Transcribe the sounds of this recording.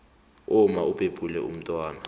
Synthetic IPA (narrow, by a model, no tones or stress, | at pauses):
ʊmaupʼepʼulɛ̰ṵm̩tʼwaːna